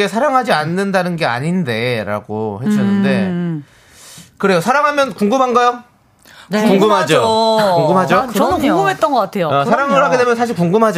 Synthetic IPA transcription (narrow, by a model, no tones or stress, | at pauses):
e̞sʰaɾaŋɦad͡ʑianːɯndanɯnɡe̞a̰ɲinde̞ɾa̰ɡo̰heɕʰʌnːɯnde̞ | kɯɾe̞josʰaɾaŋɦamjʌnkuŋɡɯmɦanɡajo | kuŋɡɯmɦad͡ʑokuŋɡɯmɦad͡ʑot͡ɕʌnkuɡɯmɦet̚t͈ʌnɡʌk͈atʰejosʰaɾaŋɯɭɦaɡe̞de̞mjʌnsʰaɕ̬ʰiɭkuŋɡɯmɦad͡ʑ